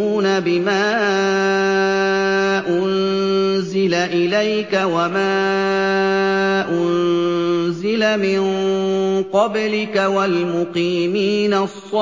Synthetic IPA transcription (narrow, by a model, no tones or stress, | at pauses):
uːnabɪmaː | ʔʊn | zɪlaʔɪlajkawamaː | ʔʊn | zɪlamɪn | qɑblɪkawalmʊqiːmiːnasˤːɑ